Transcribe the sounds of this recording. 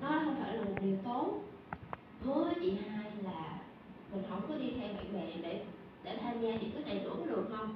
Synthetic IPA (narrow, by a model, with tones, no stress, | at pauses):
ɗɔ˨˦xə˧wŋ͡mfa̰ː˧˩jlaː˨˩mo˨˩t̚ɗi˨˩əwt̪o˨˦n | hɨ˨˦əəː˨˦t͡ɕḭ˧˨haː˧jlaː˨˩ | mə˨˩nɦə̰˧˩wŋ͡mkɔ˨˦ɗi˧t̪ʰɛ˧wmḭ˧˨ŋɓɛ̰˧˨ɗe˧˩ | ɗe˧˩t̪ʰaː˧mɲaː˧ɲḭ˧˥t̪ʰk̚ɗa̰˧˨˩t͡ɕ̪u˧˥kɔ˨˦ɗɨ˨˩ək̚hə˧wŋ͡m